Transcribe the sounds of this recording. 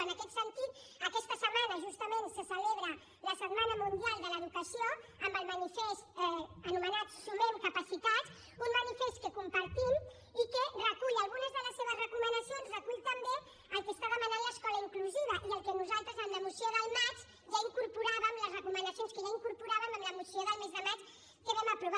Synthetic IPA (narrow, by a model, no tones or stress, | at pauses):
ənəkɛt̪sənt̪it̪ | əkɛst̪əsəmanəʒust̪əmensəsəleβɾə | ləsət̪manəmund̪ialˠd̪ələðukəsioəmbəlˠmənifest̪ɛənumənat̪ssumemkəpəsit̪at̪ | ummənifest̪̚kəkumpəɾt̪im | ikərəkuʎəlˠɣunəzðələsːeβ̞əzrəkumənəsionzrəkuʎt̪əmbe | əlˠkəst̪aβəmənənləskɔləiŋkluziβ̞əʔiəlˠkənuzalˠt̪ɾəzəmləmusioðəlˠmat͡ʃ | ʒaiŋkuɾpuɾaβəmləzrəkumənəsjonskəʒaiŋkuɾpuɾaβəməmləmusioðəlˠmezðəmat͡ʃ | kəβɛməpɾuβa